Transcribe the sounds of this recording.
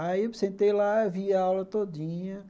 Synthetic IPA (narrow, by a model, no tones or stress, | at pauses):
aisẽnt̪ejlaviɐawlɐt̪odĩɲɐ